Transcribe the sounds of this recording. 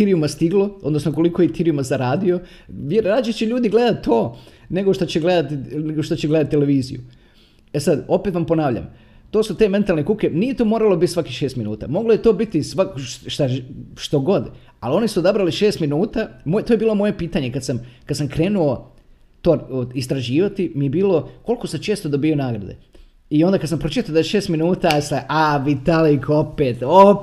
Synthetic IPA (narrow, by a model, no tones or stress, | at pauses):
t̪iɾijumast̪iɡlˠo̞od̪no̞snoko̞likojet̪iɾijumazaɾaːd̪io̞ | jɾɾaːd͡ʑet͡ɕeʎuːd̪iɡle̞d̪at̪t̪ːoːne̞ɡoʃt̪ot͡ɕeɡle̞d̪at̪ineɡoʃt̪ot͡ɕeɡle̞d̪at̪̚ʲt̪ːele̞ʋiːzḭjṵ | esad̪o̞pet̪ʋampo̞naːʋʎa̰m | t̪o̞ːsut̪e̞me̞nt̪alne̞kuke̞nije̞t̪oːmoːɾalˠo̞bit̪ːsʋakiʃest̪minuːt̪a̰mo̞ɡlojet̪o̞ːbit̪isʋakʃt̪aʃt̪o̞ɡo̞d̪ | alo̞nisuod̪abɾaliʃe̞ːst̪minuːt̪amojt̪ojebiːlˠo̞mo̞je̞piːt̪aɲe̞kad̪samkad̪samkɾe̞ːnuo̞ | t̪o̞ːist̪ɾaʒiːʋat̪imijebiːlo̞ko̞lko̞sat͡ʃe̞ːst̪o̞d̪obiːo̞naːɡɾa̰d̪ḛ | io̞nd̪akad̪s̬ampɾot͡ʃit̪aod̪aeʃeːst̪minuːt̪asaʔaʋit̪alikopet̪o